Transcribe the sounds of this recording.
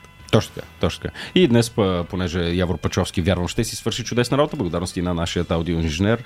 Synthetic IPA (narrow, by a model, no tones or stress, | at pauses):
t̪ɔt͡ʃnot̪ka̰t̪ɔt͡ʃot̪ə̥ka̰id̪nɛspəponɛʒɛjavoɾpɛt͡ʃɔfsk̟ʲivʲjaɾvəmʃt̪ɛsisvəɾʃit͡ʃʊd̪ɛsnəɾabot̪əblˠɡod̪aɾnost̪inɐnaʃijət̪awd̪ioinʒinɛɾ